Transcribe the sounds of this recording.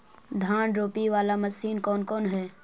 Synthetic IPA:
d̪ʱaːɳɾoːpiʋaːlamɐsiːnkɔːnkɔːnɦɛː

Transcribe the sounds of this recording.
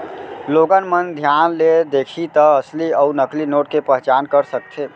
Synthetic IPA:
loɡənmənd̪ʱjanled̪ekʰit̪əəsliəunəklinoʈkepəɦt͡ʃankəɾsək̚t̪ʰe

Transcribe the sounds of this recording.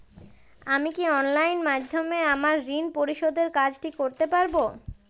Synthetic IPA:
amikiɔnlajnmad̪ʱːomeamaɾːinpoɾiʃod̪eɾkad͡ʑʈikoɾt̪epaɾbo

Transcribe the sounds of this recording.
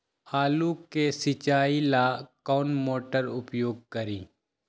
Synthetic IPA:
haːluːkesɪt͡ʃaːilakɔːnmoːʈəɾʊpjoːɡ̚kəɾiː

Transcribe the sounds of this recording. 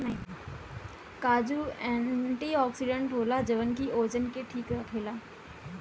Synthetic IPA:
n | kaːd͡ʑuɛ̃ːɳʈiɔːksiɖẽɳʈɦoːlad͡ʑɐʋənkiʔoːd͡ʑənkeʈʰiːkɾɐkʰeːlaː

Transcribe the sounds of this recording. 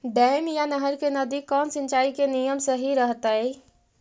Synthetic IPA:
ɖ̪ɛːmjanəɦəɾkenɐd̪ikɔːnsɪ̃nt͡ʃaːikenijəmsəɦiɾəɦt̪aɦɛ

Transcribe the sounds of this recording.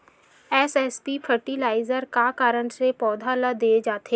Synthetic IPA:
ɛːsɛːspipʰəɾʈilaːɪzəɾkakaːɾəɳ̃sepɔːd̪ʱaləd̪eːd͡ʒaːt̪eː

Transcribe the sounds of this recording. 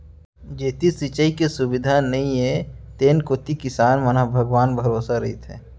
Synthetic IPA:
d͡ʒeːt̪isit͡ʃəikesʊbɪd̪ʱanɐɦĩẽt̪eːnkoːt̪ikɪsaːnmɐnaɦbʱəɡʋaːnbʱɐɾoːsaɾɐɦit̪ʰḛː

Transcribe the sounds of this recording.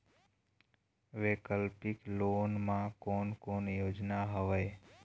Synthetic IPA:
ʋekəlpiklonmãkonkonjod͡ʒnaɦəʋəj

